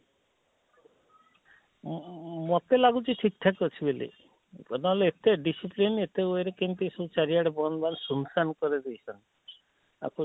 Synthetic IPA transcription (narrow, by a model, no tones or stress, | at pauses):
mɔt̪elaɡut͡ʃʰiʈʰik̚ʈʰakɔt͡ʃʰibelḭ | kɔnaɦɔleet̪eɖisiplinet̪eojɾekint̪isot͡ʃaɾiaɽebɔnbansunsankɔɾid̪ejsʰɔnt̪i | a̰ku